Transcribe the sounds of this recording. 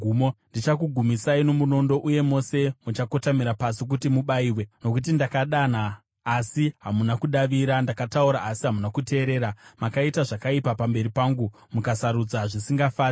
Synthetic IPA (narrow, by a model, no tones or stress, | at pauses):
umondit͡ʃakuɡʱumisaino̞muno̞ndo̞ʔuje̞mo̞se̞mut͡ʃako̞tamiɾapasik̬utimuɓaiːwe̞no̞kut̬indakaɗanaː | siɦamunakuɗaʋiɾandakatauɾaʔːsiɦamunakute̞ːɾe̞ːɾamakaitaʐakaipapambe̞ɾipaːŋɡu | mukasaɾud͡zaʐisiŋɡafaːri